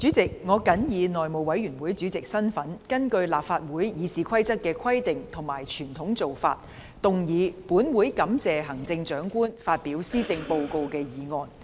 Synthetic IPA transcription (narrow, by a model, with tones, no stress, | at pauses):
t͡syː˨˥t͡sɪ˨˩k̚ŋɔː˨˧kɐ˨˥njiː˨˧nɔː˨jmo˨wɐ˨˥jyː˨˩nwuː˨˥jt͡sy˨˥t͡sɪ˨k̚sɐ˥nfɐ˨˥nkɐ˥nkɵ˧ɥlaː˨p̚faː˧t̚wuː˨˥jjiː˨˧siː˨˧kʰɐ˥jt͡sɐ˥t̚kɛː˧kʰɐ˥jt̪ɪ˨ŋt̪ʰʊ˨˩ŋmaː˨˩jt͡ʃʰyː˨˩nt̪ʰʊ˨˥ŋt͡so˨wfa̰ː˧t̚ | t̪ʊ˨ŋjiː˨˧puː˨˥nwuː˨˥jkɐ˨˥mt͡sɛː˨ɦɐ˨˩ŋt͡sɪ˧ŋt͡ʃœː˨˥ŋkuː˥nfaː˧t̚piː˨˥wsiː˥t͡sɪ˧ŋpo˧wko˧wkɛː˧jiː˨˧ŋɔː˧n